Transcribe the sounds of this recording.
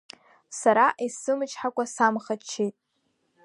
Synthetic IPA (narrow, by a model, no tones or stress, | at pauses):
saɾaʔisɨmɨt͡ʃʰʼħakʷʼasamχat͡ʃʰːejtʼ